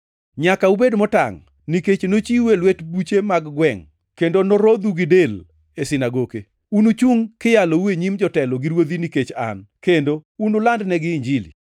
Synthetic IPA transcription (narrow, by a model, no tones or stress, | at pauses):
ɲakaubedmɔta̰ŋ | niket͡ʃnot͡ʃiwelwetbut͡ʃemaɡɡwɛŋ | kendonoɾod̪uɡɪdel | esɪnaɡoke | unut͡ʃuŋkɪjaloueɲimd͡ʒɔtɛlɔɡɪɾwod̪iniket͡ʃa̰nkendounʊlandnɛɡɪɲd͡ʒilḭ